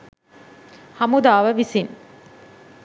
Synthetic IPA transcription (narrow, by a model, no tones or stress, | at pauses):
hɐmud̪aːʋəʋisin